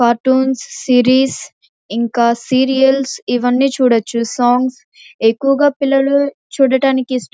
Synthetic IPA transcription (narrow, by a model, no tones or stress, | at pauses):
faːɾʈuːnsːiːɾiːs | iŋkaːsiːɾijɐlsiʋɐnːiːt͡ʃuːɽɐt͡ʃːusaːŋɡs | e̞kːuʋɐɡaːpilːɐlu | t͡ʃuːɽɐʈaːnikisʈ